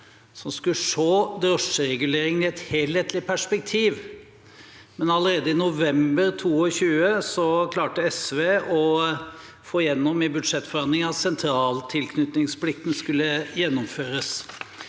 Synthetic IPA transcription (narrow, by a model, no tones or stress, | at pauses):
sɔmskʉʂoːd̪ɾɔʂəɾɛɡʉleːɾɪŋənɪɛt̪heːlheːt̪lɪpʰæʂpɛk̚t̪ʰiːʋ | mɛnɑləɾeːd̪əɪnʊʋɛmbəɾt̪ʰuːɔɕʉːəsɔkʰlɑːʈəɛsʋeːɔ | foːɪjɛnːɔmɪbʉd̪ʂɛt̪ːfɔɾhɑnd̪lɪŋɑt̪sɛnt̪ʰɾɑːlt̪ʰɪlkʰnʉt̪nɪŋspʰlɪk̚t̪n̩skʉlːəjɛnːɔmføːɾəs